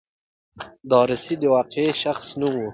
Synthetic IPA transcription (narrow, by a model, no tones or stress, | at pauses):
d̪ɑːɾɪsid̪əwɑːqeʃaxsnuwu